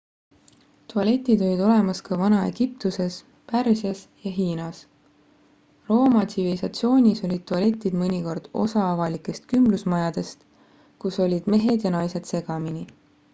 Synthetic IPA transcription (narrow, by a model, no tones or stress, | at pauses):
t̪ʰuɑle̞t̪ʲːˑid̪̥o̞lid̪o̞le̞mɑskɑvɑnɑe̞̰ɡ̥ip̚t̪use̞s | pærsjɑsjɑɦiːnɑs | ro̞ːmɑt̪sivilisɑt̪sio̞ːnʲiso̞lʲid̪̥̚t̪ːuɑle̞t̪ʲːˑid̪̥mɤnʲiko̞rd̪̥o̞̰sɑɑvɑlikːˑe̞st̪kymblusmɑjɑd̪̥e̞st̪ | kuso̞lʲid̪̥me̞ɦe̞d̪̥jɑnɑjse̞d̪̥se̞ɡ̥ɑmini